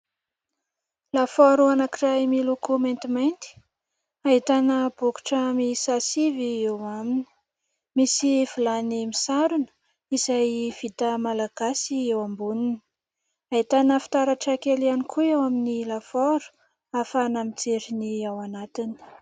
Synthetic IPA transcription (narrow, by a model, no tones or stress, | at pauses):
lafɔɾuanakiɾajmilukument̪imajnt̪i̥ | ait̪anəbuku̥ʈ͡ʂəmisasiviewamini̥ | misivilanimisaɾunə̥ | izajv̥it̪əmalaɡ̥asiewambunini̥ | aɦit̪anəfi̥t̪aɾaʈ͡ʂakelianikʰuewaminilafɔɾu̥ | afanamit͡seɾiniawanat̪ini̥